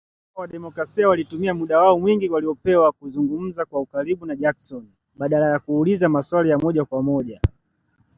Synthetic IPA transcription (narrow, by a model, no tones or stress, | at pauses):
ɔwaɗɛmɔkɾasiawalitumiamuɗawaɔmwiŋɡiwaliɔpɛwakuzuŋɡum̩zakwaukaɾiɓunaʄaksɔn | ɓaɗalajakuːlizamaswalijamɔʄakwamɔʄa